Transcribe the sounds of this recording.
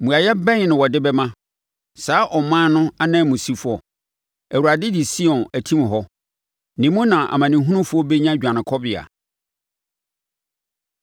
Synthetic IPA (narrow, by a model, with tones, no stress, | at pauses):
mũ˨a˨jɛ˦bɛ̃˦n˨nʊ̃˨wɔ˨dɪ˦bɛ˦mã˦ | saː˨˦ʔɔ˨mãː˦nʊ̃˦a˦nãː˦˨mũ˨si˦fɔ˨ | æ˨wu˨ɾa˨dɪ˦di˨si˦ɔ̃˨næ˨tʰĩ˦m˨ɦɔ˦ | nɪ̃˨mũ˦nã˨ʔa̰˨mã˨nɪ̃˨˦ɦũ˦nʊ̃˦fʊ˦ɔ˦be˦ɲã˦˨d͡ʑᶣã˨nɪ̃˨kʰɔ˦bɪ˨a̰˨